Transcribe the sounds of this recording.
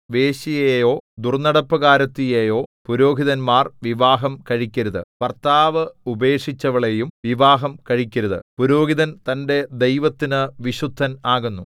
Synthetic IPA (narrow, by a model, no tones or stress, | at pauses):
ʋe̞ːɕijejo̞ːd̪urnɐɽɐpːɐɣaːɾɐt̪ːijejo̞ːpuɾo̞ːɡʱiðɐnmaːrʋiʋaːɦɐmkɐɻikʲːɐɾɐðɨ̰pɐrt̪ːaːʋɐube̞ːʂit͡ɕːɐʋɐɭejumʋiʋaːɦɐmkɐɻikʲːɐɾuðɨ̰puɾo̞ːɡiðɐnt̪ɐnde̞d̪ejʋɐt̪ːinɨʋiɕud̪ʱːɐnaːɣunːu